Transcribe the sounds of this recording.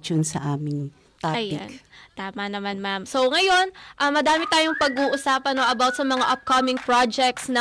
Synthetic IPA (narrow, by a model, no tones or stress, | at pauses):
t͡ʃonsɐ̰ʔaːmɪŋ | t̪aɐjɪa̰nt̪aːmɐnɐmanmamsoŋɐjo̞nʔɐmɐd̪aːmɪt̪aːjoŋpɐɡuːʔʊsaːpɐnoʔɐbawt̪̚sɐmɐŋaʔɐp̚kɐmɪŋpɹad͡ʒɛk̚t̪snɐ